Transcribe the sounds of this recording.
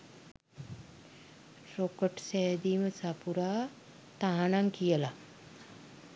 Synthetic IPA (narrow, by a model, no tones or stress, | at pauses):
ɾokəʈsɛːd̪iməsapuɾaː | t̪aɦanaŋkijəla